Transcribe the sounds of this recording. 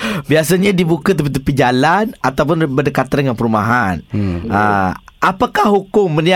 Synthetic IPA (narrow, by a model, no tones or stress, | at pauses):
bias̬aɲadibukat̪̬əpit̪əpid͡ʒalanat̪awp̬ʊnbədəkat̪anŋanpəɾumaɦanəʔapakahɦukʊŋːənia